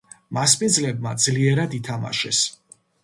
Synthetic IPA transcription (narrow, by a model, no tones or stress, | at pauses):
maspʼindzlɛb̚mad̪zliɛɾad̪it̪ʰama̰ʃɛ̰s